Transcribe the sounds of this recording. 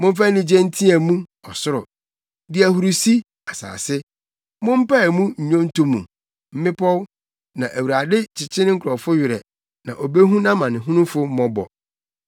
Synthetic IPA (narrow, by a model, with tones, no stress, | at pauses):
mʊ̃˦m˦fæ˦nĩ˦d͡ʑɛ̃˦n̩˦tʰĩ˦ɛ˨mũ˦ɔ˨sʊ˦ɾʊ˨ | dɪ˨˦æ˨hu˨ɾu˨si˦ | a˨sa̰ː˨sɪ˦ | mʊ̃˦m̩˦pa˦˨mũ˦ɲ̩˨ɲõ˦n˦tʰo˦mṵ̃˨ | m̩˦mɪ̃˦pʰɔ˦w | nã˨ʔæ˨wu˨ɾa˨dɪ˦t͡ɕʰɪ˨t͡ɕʰɪ˦nɪ̃˦ŋ̩˦kʰʊ˨ɾɔ˨fʊ˦ɥɪ˨ɾɛ̰˨ | nã̰˨ʔo˨be˦ɦũ˦nã˦mã˨nɪ̃˨ɦʊ̃˦nʊ̃˦fʊ˦m̩˦mɔ̃˦bɔ̰˨